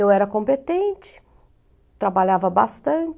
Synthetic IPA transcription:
ewɛɾɐkõmpet̪ẽnt͡ʃɪ̥ | t̪ɾabaʎavɐbast̪ɐ̃t͡ʃ

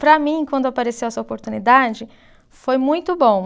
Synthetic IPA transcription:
pɾɐmĩkwɐ̃nd̪ʊapaɾesewɐsuɐopoɾt̪unid̪ad͡ʒɪ | fojmũj̃t̪ʊbõ

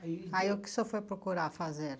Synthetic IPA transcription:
aiʊkɪ̥sɔfojpɾokuɾaɾfazeɾ

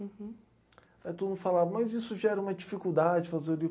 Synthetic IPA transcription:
ɛt̪ud̪nʊ̃falavɐmɐzisʊʒɛɾɐũmɐd͡ʒifikud̪ad͡ʒɪfazeɾdi

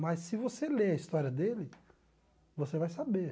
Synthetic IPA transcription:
mɐjsːɪvoseleɐist̪ɔɾiɐd̪elɪ | vosevajsabe

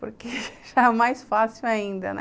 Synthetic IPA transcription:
poɾkeʒamajsfasiwaĩnd̪ɐ̰n

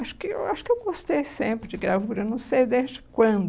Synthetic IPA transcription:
aʃʊ̥kɪḛwaʃʊ̥kɪewɡost̪ejsẽpɾɪd͡ʒɪɡɾavuɾewnɐ̃w̃sejd̪ezd͡ʒɪkwɐ̃d̪

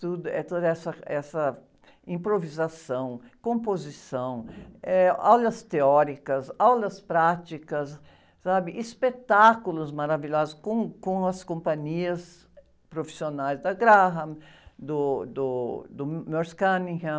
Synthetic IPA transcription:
t̪ud̪ʊɛt̪od̪ɐɛsɐɛsɐ | ĩpɾovizasɐ̃w̃kõpozisɐ̃w̃ɛa̰wlɐst̪eɔɾikɐsawlɐspɾat͡ʃikɐs | sabɪʔispet̪akulʊzmaɾaviʎɔzʊskõkõɐskõmpɐ̃ɲiɐs | pɾofi̥sionajzd̪ɐɡɾaɦɐ | d̪ʊd̪ʊd̪ʊmɔɾskɐnĩha

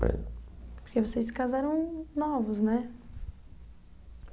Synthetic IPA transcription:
ḛ̃pʊɾkevɔsejsɪ̥kazaɾɐ̃w̃nɔvʊznɛ

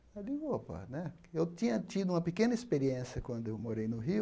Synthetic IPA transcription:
aliopɐ̰nɛ | ewt̪ĩɲɐt̪id̪ʊũmɐpekẽnɐispeɾiẽsjɐkwɐ̃nd̪ʊewmoɾejnʊɦi

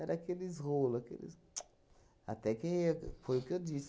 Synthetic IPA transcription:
ɛɾakelizʁolakḛlḭz | a̰t̪ɛkẽj̃ɛpʰojukewdis

